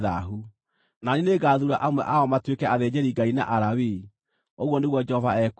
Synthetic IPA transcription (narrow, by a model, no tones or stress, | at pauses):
ða̰ɦu | naneneɡaːðuɾaʔamwɛ̰ʔaɔmatwekɛaðed͡ʑɛɾiɡaina̰ʔaɾawi | oɣwɔneɣwɔd͡ʒɛhɔvaɛk